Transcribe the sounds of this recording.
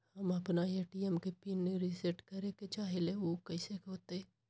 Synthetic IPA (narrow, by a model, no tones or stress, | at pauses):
hɐmɐpnaeːʈiɛmkepiːnːeɾiseʈkɐɾẽket͡ʃaːɦeleoːkɐɪsekoːt̪e